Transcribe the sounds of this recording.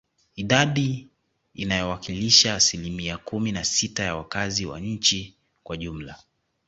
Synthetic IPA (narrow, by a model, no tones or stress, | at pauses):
iɗaɗi | inajɔwakiliʃaːsilimiakuminasitajawakaziwa̰ɲ̩t͡ʃi | kwaʄum̩la